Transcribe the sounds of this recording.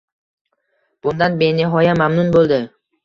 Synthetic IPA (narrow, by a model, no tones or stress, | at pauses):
b̥ʊnd̪anbenɪɦɒjamamnʊnbolˠd̪ɪ